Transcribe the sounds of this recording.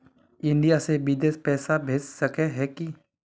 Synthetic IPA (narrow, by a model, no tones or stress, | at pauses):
ɪ̃ɳɖijasebid̪espɛːsabʱeːd͡ʒsɐkeɦɛki